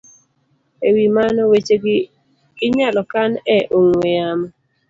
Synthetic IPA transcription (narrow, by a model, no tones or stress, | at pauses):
ewimanɔwet͡ʃeɡɪː | ɲalɔkanɛʔoŋweama